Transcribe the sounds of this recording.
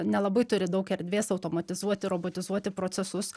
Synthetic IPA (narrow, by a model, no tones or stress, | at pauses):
nʲɛlˠɐbɐɪt̪ʊɾʲɪd̪ɐʊkɛɾʲd̪ʲʋʲeːsɐʊt̪oːmɐt̪ʲɪzuɔt̪ʲɪɾoːboːt̪ʲɪzuɔt̪ʲɪpɾoːsʲɛsʊs